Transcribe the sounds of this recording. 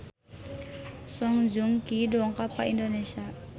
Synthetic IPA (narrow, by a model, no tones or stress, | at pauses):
sɔŋd͡ʒuŋkidɔŋkapaindonesia